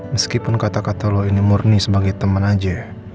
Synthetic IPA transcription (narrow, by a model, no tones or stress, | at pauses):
məskipʊnkat̪akat̪aloinimurnisəbaɡajt̪əmənad͡ʒa